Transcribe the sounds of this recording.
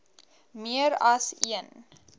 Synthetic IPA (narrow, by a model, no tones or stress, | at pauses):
miəɾɐsiən